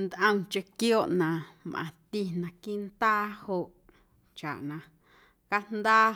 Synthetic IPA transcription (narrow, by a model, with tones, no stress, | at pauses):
nd̪ʔə̃˦ŋt͡ʃe˧kjoː˦ʔnã˨ʔmʔã̰˨t̪i˧nã˨kiː˦ʔnt̪aː˦ho˧ʔ | t͡ʃa̰˨ʔnã˨ | ka˦nd̪aː˦